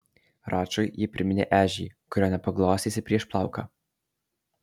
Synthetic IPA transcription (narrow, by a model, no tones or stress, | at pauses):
ɾɑːt͡ʃɔɪjɪpʲɾʲɪmʲɪnʲḛːʔæːʒʲḭːkʊɾʲoːnʲɛpɐɡlˠoːsʲiːsʲɪpʲɾʲiɛʃplˠɑˑʊkɑ̰ː